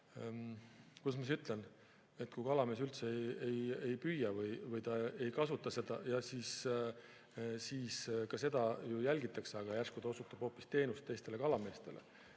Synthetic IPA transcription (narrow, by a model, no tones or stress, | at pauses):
kusmisyt̪ˑlen | e̞t̪ːˑkujkɑlɑme̞ːs̬ylt̪seejeje̞jpyjːɑvɯjvɯjt̪ɑe̞jkɑsut̪ːˑɑse̞d̪̥ɑjɑsiːs | siːskɑse̞d̪̥ɑjujælʲɡit̪ːˑɑkseɑɡ̥ɑjærskud̪ɑo̞sut̪ːˑɑb̥ho̞ːpːˑist̪e̞ːnust̪ːe̞jst̪e̞le̞kɑlɑme̞ːst̪e̞lḛ